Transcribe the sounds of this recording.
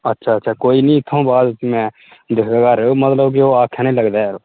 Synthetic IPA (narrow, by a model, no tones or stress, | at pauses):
ətːʃʰaːtːʃʰaːkoːiːnĩːɪt̪ʰːõːbaːd̪imɛ̃ː | d̪ɪkʰɡaːɡaːɾeoːmət̪ləbk̬ɪoːaːkʰːjãːnĩːləɡd̪aːɾoː